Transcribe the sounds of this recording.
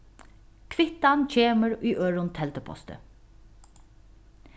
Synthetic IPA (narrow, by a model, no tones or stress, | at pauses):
kʰʋɪt̪ant͡ɕʰeːməɹyːʔøːɹʊnt̪ʰɛlt̪əpʰɔ̰st̪ə̰